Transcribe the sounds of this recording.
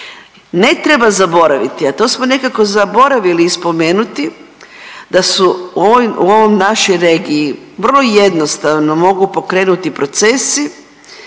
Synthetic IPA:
ne̞t̪ɾebazabo̞ɾaʋit̪iat̪o̞ːsmone̞kako̞zabo̞ɾaʋiliːspo̞me̞ːnut̪i | d̪asuoṵo̞ʋomnaʃojɾe̞ːɡiiʋərlˠo̞je̞d̪no̞st̪aʋno̞mo̞ɡupo̞kɾe̞ːnut̪ipɾo̞t̪se̞si

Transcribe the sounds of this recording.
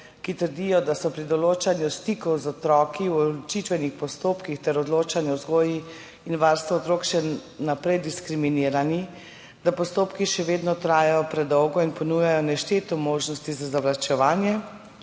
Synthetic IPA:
kit̪əɾd̪ijɔd̪asɔpɾid̪ɔloːt͡ʃanjust̪ikɔwzɔt̪ɾɔːkiwɔt͡ʃit̪ʋɛnixpɔst̪oːpkixt̪ɛɾɔd̪loːt͡ʃanjɛɔzɡoːji | inʋaɾst̪ʋaɔt̪ɾoːkʃɛnapɾɛjd̪iskɾiminiːɾani | d̪apɔst̪oːpkiʃɛʋeːd̪nɔt̪ɾaːjajɔpɾɛd̪ɔwɡɔinpɔnujajɔnɛʃt̪eːt̪ɔmoːʒnɔst̪izazaʋlat͡ʃɛʋaːnjɛ

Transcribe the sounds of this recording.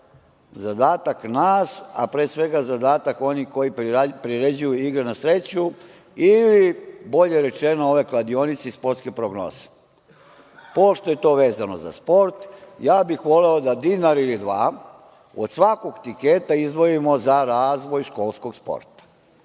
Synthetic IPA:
zad̪aːt̪aknaːsa̰pɾesʋe̞ɡazad̪aːt̪ako̞niko̞jipɾiɾed͡ʑujuiɡɾenasɾe̞t͡ɕu | ilibo̞ʎeɾe̞t͡ʃenooʋe̞klad̪io̞nit̪seispo̞ɾt̪skepɾoɡno̰ːz̥e̥ | po̞ʃt̪o̞je̞t̪o̞ːʋeːzano̞̰za̰spo̞ɾt̪jaːbixʋo̞leod̪ad̪iːnaɾilid̪ʋaː | o̰d̪sʋako̞ɡt̪ike̞ːt̪aizd̪ʋo̞imo̞zaɾaːzʋo̞jʃko̞ːlˠskoɡspo̰ɾt̪ḁ

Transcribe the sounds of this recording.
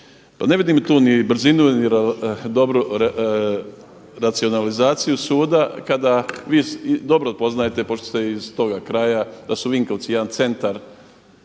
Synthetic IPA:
pane̞ʋid̪imt̪uːnibɾ̩zinuniɾd̪o̞bɾu | ɾat̪sio̞nalizaːt̪sijusuːd̪akad̪aʋiːd̪o̞bɾopo̞znajet̪epo̞ʃt̪ost̪eiz̥t̪o̞ɡakɾajad̪̥asuʋiŋko̞ʋt̪sijɛd̪ant̪se̞nt̪aɾ

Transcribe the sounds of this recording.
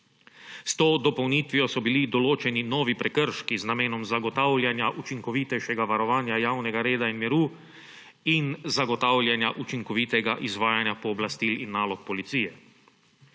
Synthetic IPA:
st̪oːd̪ɔpɔwniːt̪ʋijɔsɔbilid̪ɔloːt͡ʃɛninɔːʋipɾɛkəɾʃkiznameːnɔmzaɡɔt̪aːwlʲjanjaʔut͡ʃiŋkɔʋiːt̪ɛjʃɛɡaʋaɾɔʋaːnjajaːwnɛɡaɾeːd̪ainmɛɾuː | inzaɡɔt̪aːwlʲjanjaʔut͡ʃiŋkɔʋit̪ɛɡaʔizʋaːjanjapɔːblast̪ilinːaːlɔk̚pɔlit̪siːjɛ

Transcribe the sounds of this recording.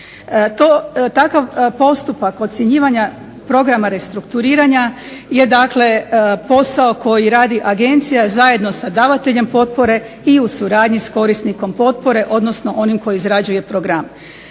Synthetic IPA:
t̪ot̪akaʋpo̞st̪upako̞t̪sjeɲiːʋaɲa | pɾo̞ɡɾamaɾe̞st̪ɾukt̪uɾiːɾaɲa | je̞d̪akle̞po̞sao̞ko̞jiɾaːd̪iʔaɡe̞nt̪sijazaje̞d̪no̞sad̪aːʋat̪e̞ʎe̞mpo̞t̪̚po̞ɾe̞ | iusuɾaːd̪ɲisko̞ɾisniko̞mpo̞t̪̚po̞ɾe̞ʔo̞d̪no̞sno̞ʔo̞nimko̞jiizɾad͡ʑuje̞pɾo̞ɡɾam

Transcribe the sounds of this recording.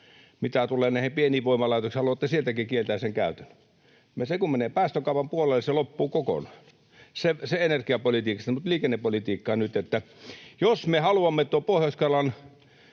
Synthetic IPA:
mit̪æt̪uleːnæˑihempieniːʋʋoˑimɑlɑˑit̪oksihɑluɑt̪ːæsielt̪ækikielt̪æːseŋkæˑøt̪ænː | jɑsekummeneːpæːst̪økɑˑupɑmpuolelːˑeselopːuːkoko̰nɑːn | seseenerkiɑpolit̪iːkɑst̪mut̪liːkenːepːolit̪iːkːɑːnyt̪et̪ːæjosmehɑluɑmːet̪uopohjɑˑuskɑlɑn

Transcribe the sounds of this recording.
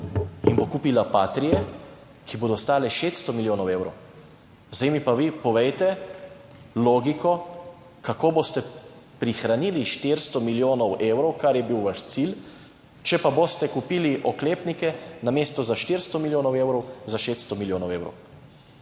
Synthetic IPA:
inbokuːpilapaːt̪ɾijɛ | kʰiboːd̪ɔst̪aːlɛʃet̪st̪ɔmiljoːnɔweːwɾɔ̰w | zaimipaʋipɔʋejt̪ɛ | loːɡikʰɔ | kakoːbost̪ɛpɾixɾaniːliʃt̪iɾst̪ɔmiljoːnɔweːwɾɔwkaɾjɛbiwʋaʃt̪sil | t͡ʃɛpaboːst̪ɛkupiliʔɔkleːpnikɛnameːst̪ɔzaʃt̪iɾst̪ɔmiljoːnɔwewɾɔwzaʃet̪st̪ɔmiljoːnɔweːwɾɔ̰w

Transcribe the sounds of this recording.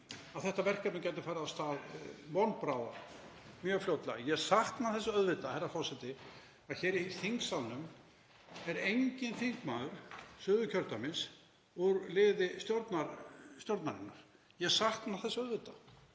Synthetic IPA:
aðθɛht̪avɛr̥kap̪ncɛjt̪ɪfajɾaðast̪aːðmɔnpɾaːwða̰ | mjœɣfljowt̪lɪ̰jɛɣsaxt̪naθɛsːaœðvɪt̪ahɛjɾafɔwsɛt̪ɪ | aðçɛːɾiθiŋksalnʏm | ɛɾejɲcɪnθiŋkmaːðʏɾ̥sʏːðʏcʰœɾt̪amɪns | uɾlɪːðɪst̪jowɾt̪naɾst̪jowɾt̪nanɪnaɾ̥ | jɛɣsaht̪naθɛsːœðvɪt̪ḁ

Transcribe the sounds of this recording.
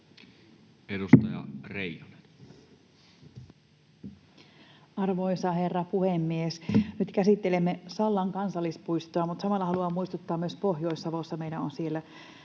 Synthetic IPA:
edust̪ɑjɑ̰reijone̥n | ɑrʋoisɑherːɑpuhemːiesnyt̪kæsit̪ːelemːesɑlːɑŋkɑnsɑlːispuist̪oɑmut̪sɑmɑlːɑhɑluɑmmuist̪ut̪ːɑːmːyøspohjo̞isːɑʋo̞sːɑmeijlæonsielːæ

